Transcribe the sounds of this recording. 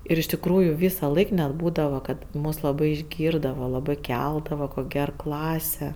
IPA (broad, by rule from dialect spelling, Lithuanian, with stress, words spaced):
ɪr ɪʃ tʲɪkˈruːjʊ ˈʋʲiːsɐˌlˠɐɪk nʲɛt ˈbuːdɐʋɐ ˈkɐt ˈmʊs lˠɐˈbɐɪ ɪʒʲˈɡʲiːrdɐʋɐ lˠɐˈbɐɪ ˈkʲɛlˠdɐʋɐ ˈkoːkʲ ˈɡʲɛr ˈklˠɑːsʲɛ